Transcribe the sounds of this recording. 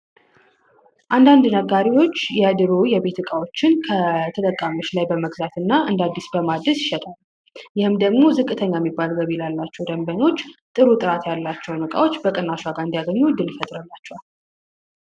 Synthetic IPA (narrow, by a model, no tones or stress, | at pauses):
ʔand̪and̪nəɡaɾiwo̞t͡ʃːjɛd̪ɨɾojɛbe̞t̪ɨkʼawo̞t͡ʃːɪnkʰət̪ʰət̪ʼəkʼːamoʃlajbəməɡzat̪ɨnːaʔɨnd̪ad̪ːisbəmad̪əsjɪʃɛt̪ʼal | jɪhɨmd̪əɡmo̞zɨkʼːɨt̪ʰəɲːajɛmːibːalɡəβilalːat͡ʃːɛwd̪əmbəɲo̞t͡ʃːt̪ʼɨɾut̪ʼɨɾat̪jalːat͡ʃːɛwnɨkʼa̰wo̞t͡ʃːbəkʼɨnaʃaɡaɾɨnd̪ijaɡəɲːud̪ɨljɛfət̪ʼɾəlːat͡ʃːɛwal